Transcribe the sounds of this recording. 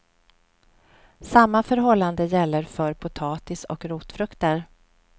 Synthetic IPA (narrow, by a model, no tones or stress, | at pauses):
samːafœɾɦɔlːand̪əjɛlːəɾfœɾpʰʊt̪ʰɑːt̪ɪsɔ̰kɾuːt̪fɾɵkt̪əɾ